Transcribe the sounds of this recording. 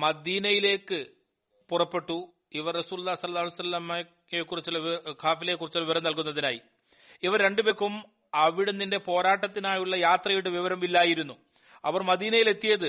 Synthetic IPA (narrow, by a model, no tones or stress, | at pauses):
mɐd̪iːnɐjile̞ːkːɨ | purɐpːe̞ʈːu | iʋɐrrɐsuːlulˠːaːhsɐlɐlːaːhujsɐlːɐm | ekːurit͡ɕːɐlkaːfile̞ːkːurit͡ɕːɐlʋiʋɐɾɐmnɐlkunːɐðinaːjḭ | iʋɐrɾe̞ɳɖɨbekːum | ɐʋiɽenːinde̞po̞ːɾaːʈːɐt̪ːinaːjuɭːɐjaːt̪rɐjuɽɨʋiʋɐɾɐmʋilːaːjiɾunːu | ɐʋɐrmɐd̪iːnɐjile̞t̪ːijɐðɨ